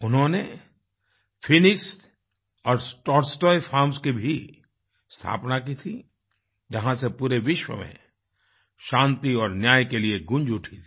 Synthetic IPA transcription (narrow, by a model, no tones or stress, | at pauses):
ʊnɦõne | fʰɪnɪks | ɔːɾsʈɔːʈsʈɔːjpʰaːɾmskibʱi | st̪ʰa̰ːpnak̬it̪ʰi | d͡ʒɐɦãsepuːɾeʋɪʃwə̰mḛ̃ | ʃãːnt̪iɔːɾnjaːjkelieɡʊ̃nd͡ʒʊʈʰit̪ʰi̥